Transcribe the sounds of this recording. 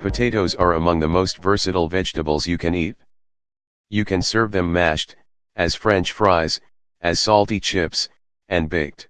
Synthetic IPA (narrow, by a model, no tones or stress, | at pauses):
pʰɨtʰeɪɾoʊzə˞əmʌ̃ŋðɨmoʊstv̥ɜ˞sɨɾl̩ˠvɛd͡ʒtəbl̩ˠzjɨkʰɨ̃nit̚ | jɨkʰɨ̃nsɜ˞vðɨ̃mːæʃt | ɨz̥fɹɛ̃nt͡ʃfɹaɪz̥ | ʔɨz̥sɔlˠtit͡ʃʰɪps | ɨ̃nbɪɡ̚t